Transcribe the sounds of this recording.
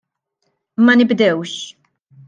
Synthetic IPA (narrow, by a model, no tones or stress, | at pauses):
mɐnɪbd̪ɛwʃ